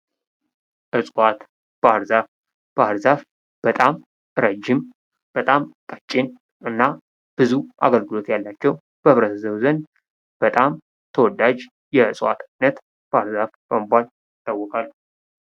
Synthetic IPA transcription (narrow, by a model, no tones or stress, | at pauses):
ʔɨsʼwat̪ | b̥əaɾzaf | b̥əaɾzaf | b̥ət̪ʼam | ɾəd͡ʒɪm | b̥ət̪ʼamkʼət͡ʃʼːɪn | ʔɨnːa | b̥ɨzuʔa̰ɡəlɡɨlo̞t̪jalːat͡ʃːɛw | b̥əβɾət̪zəwzənd̪ | b̥ət̪ʼam | t̪ʰəwɔd̪ad͡ʒ | jɛɨsʼwa̰t̪anːət̪ | b̥əaɾzafb̥əmbʷal | ɪt̪ʼːawːɔkʼalːu